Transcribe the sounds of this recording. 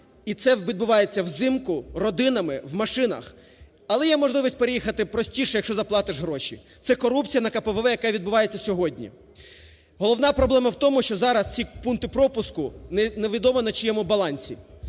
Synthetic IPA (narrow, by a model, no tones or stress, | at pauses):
it̪sɛʋʲid̪̚bʊʋɑjet͡sʲːɐwzɪmkʊrɔd̪ɪnɐmɪwmɐʃɪnɐ̰x | ɐlˠɛjɛmɔʒlˠɪʋisʲt̚ʲpeɾejixɐt̪ɪpɾɔsʲtʲiʃɛjɐkʃt͡ʃɔzɐplˠɑt̪ɪʒɦɾɔʃḭ | t̪sɛkɔɾupt͡sʲijɐnɐkɐpɛʋɛʋɛjɐkaʋʲid̪̚bʊʋɑjet͡sʲːɐsʲɔɦɔdʲnʲḭ | ɦɔlˠɔwnɑpɾɔblˠɛmɐwt̪ɔmʊʃt͡ʃɔzɑɾɐst͡sʲipunkt̪ɪpɾɔpʊskʊnneʋʲid̪ɔmɔnɐt͡ʃijɛmʊbɐlˠɑnʲsʲḭ